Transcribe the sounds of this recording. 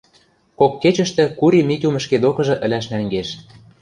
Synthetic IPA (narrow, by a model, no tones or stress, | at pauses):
kokːet͡ɕə̆ʃt̪ɘ̆kuɾimik̪ʲumə̆ʃked̪okɤ̆ʒɤ̆ʔə̆lʲæʃnæŋɡeʃ